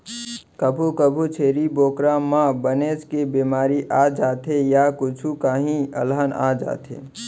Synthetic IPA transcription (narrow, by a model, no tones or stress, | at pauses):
kəbʱukəbʱut͡ʃʰeːɾiboːkɾamãbənet͡ʃkebimaːɾiʔad͡ʒaːt̪ʰejakʊt͡ʃʰukaɦĩə̰lɦəna̰d͡ʒa̰ːt̪ʰḛ